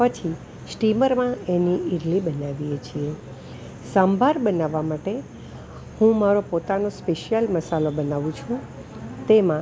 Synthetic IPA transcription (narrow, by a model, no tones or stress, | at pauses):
pət͡ʃʰi | sʈiməɾmãeniʔiɾlibənaʋijet͡ʃʰie | sambʱaɾbənaʋːamaʈe | hũmaɾopot̪anospeʃjəlməsalobənaʋũt͡ʃʰũ | t̪emã